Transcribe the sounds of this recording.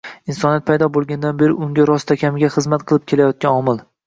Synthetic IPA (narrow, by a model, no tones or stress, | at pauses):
insɒniat̪̚pʰajd̪ɒbolˠɡʲand̪anbe̞ɾɪʊŋɡʲaɾɒst̪ʰakʲamɪɡʲaχɨzmat̪qʰɨlˠɪp̚kʲʰe̞lajɒt̪̚kʲanɒmɪlˠ